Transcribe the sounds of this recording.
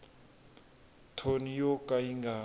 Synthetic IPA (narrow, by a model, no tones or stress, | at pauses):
tʰonijɔkʼaiŋɡaː